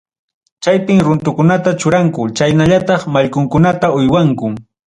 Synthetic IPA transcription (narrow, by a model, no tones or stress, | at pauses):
t͡ʃajpɪmɾʊnt̪ʊkʊnat̪at͡ʃʊɾaŋkʊt͡ʃajnaʎat̪ɑχmaʎkʊŋkʊnat̪aʊjwaŋkʊ